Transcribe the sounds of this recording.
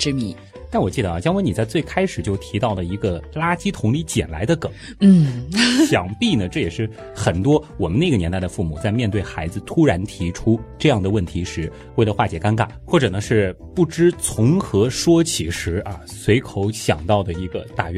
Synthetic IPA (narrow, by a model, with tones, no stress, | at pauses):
ʈ͡ʂɻ̩˥mḭ˨˧˩ | t̪a˥˩nwɔ˨˩t͡ɕi˥˩ə˩a˩t͡ɕjɑ˥ŋwe˧˥ni˨˩t͡sa˥˧ɪt͡swe˥˩ɪkʰa˥ɪʂɻ̩˨˩jo˥˩ʊt̪ʰi˧˥t̪ɑ˥˩ʊd̪ə˩i˧˥ɡə˧la˥t͡ɕi˥t̪ʰʊ˧˥ŋli˧˥t͡ɕjɛ̰˨˩nla˧˥ɪd̪ə˧kɤ˨˩˦n̩˥˩ɕjɑ˨˩ŋpi˥˩nə˩ʈ͡ʂɤ˥˩jɛ˨˩ʂɻ̩˥˩ | xə˨˩nt̪wɔ˥wɔ˨˩mə˦ne˥˩ɡə˩jɛ˧˥nt̪a˥˩ɪd̪ə˩fu˥˩mu˨˩˦t͡sa˥˧ɪmjɛ˥˧nt̪we˥˩ɪxa˧˥ɪd͡zɹ̩˧t̪ʰu˥ɻa˧˥nt̪ʰi˧˥ʈ͡ʂʰu˥ʈ͡ʂɤ˥˧jɑ˥˩ŋd̪ə˩wə˥˩nt̪ʰi˧˥ʂɻ̩˧˥ | we˥˩lə˩xwa˥˩t͡ɕjɛ˨˩˥ka˥nka̰˨˩˦xwɔ˥˩ʈ͡ʂɤ˨˩nə˦ʂɻ̩˥˧ | pu˥˩ʈ͡ʂɻ̩˥t͡sʰʊ˧˥ŋxɤ˧˥ʂwɔ˥t͡ɕʰi˨˩ʂɻ̩˧˥ʔɐ˧ | swe˧˥ɪkʰo˧˥ʊɕjɑ̰˨˩ŋt̪ɑ˥˩ʊd̪ə˩i˧˥ɡə˧t̪a˥˧ɥɛ˥˩